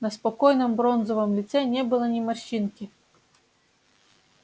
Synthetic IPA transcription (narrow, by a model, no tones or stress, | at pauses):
nɐspɔkɔjnɔmbɾɔnzɔvɔmlʲit̪sɛnʲɛbɨlˠɐnʲimɐʃinkʲi